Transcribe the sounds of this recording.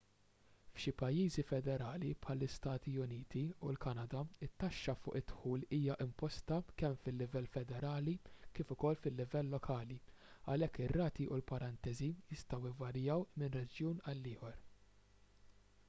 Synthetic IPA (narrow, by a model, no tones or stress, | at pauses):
fʃɪpɐjːiːzifɛd̪ɛɾɐːlipħɐlːɪst̪ɐːt̪iʊniːt̪iulkɐnɐd̪ɐɪt̪ːɐʃːɐfʊ̰ːʔɪt̪ːħuːliːjɐʔɪmpɔst̪ɐkɛmfɪlːɪvɛlfɛd̪ɛɾɐːlikɪfʊkɔlːfɪlːɪvɛlːɔkʰɐːli | ɐlɛkːɪrːɐːt̪iʔʊlpɐɾɐnt̪ɛzijɪst̪ɐwɪvɐɾjɐwmɪnrɛd͡ʒjuːnɐlːɪːħɔɾ